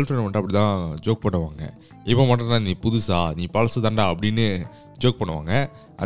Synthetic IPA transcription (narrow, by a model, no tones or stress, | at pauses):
lfɾɐnɐmɐɳʈːɐpːɐɽɪt̪ãːd͡ʒoːk̚pɐɳːɯʋaːŋɡɐ̰ | ɪpːoːmɐʈːɐ̃nãːnĩːpʊðʊsaːniːpɐɻɐsɐt̪ãːnɖaːɐpːɐɽɪnːɯ | d͡ʒoːk̚pɐɳːɯʋa̰ːŋɡɐ | ʔɐ̰